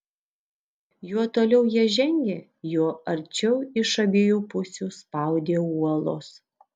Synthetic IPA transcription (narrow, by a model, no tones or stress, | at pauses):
juɔt̪oːlʲɛʊjiɛʒʲɛŋʲɡʲeː | juɔɐɾʲt͡ʃʲɛʊɪʃɐbʲɪjuːpʊsʲuːspɑˑʊd̪ʲeːuɔlˠoːs